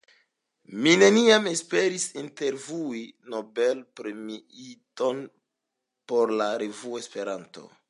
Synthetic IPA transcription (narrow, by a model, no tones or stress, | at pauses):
mine̞niame̞spe̞ɾisinte̞ɾvuino̞be̞lpɾemiito̞n | po̞ɾlaɾe̞vuoe̞spe̞ɾanto̰